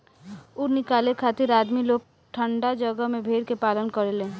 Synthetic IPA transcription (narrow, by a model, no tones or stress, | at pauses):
ʊɾnɪkaːlekʰaːt̪ɪɾaːd̪miloːɡ̚ | ʈʰə̃ɳɖad͡ʒəɡəɦmẽbʱeːɽkepaːlənkəɾelẽː